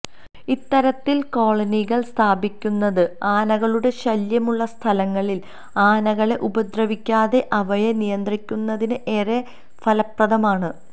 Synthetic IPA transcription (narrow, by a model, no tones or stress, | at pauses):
it̪ːɐɾɐt̪ːilko̞ːɭɐniɣɐɭst̪ʰaːbikʲːunːɐðɨaːnɐɣɐɭuɽe̞ɕɐljɐmuɭːɐst̪ʰɐlɐŋːɐɭil | aːnɐɣɐɭe̞ʔubɐd̪rɐʋikʲːaːðe̞ʔɐʋɐjɐnijɐnd̪rikʲːunːɐðinɨʔe̞ːre | fɐlɐprɐðɐmaːɳɨ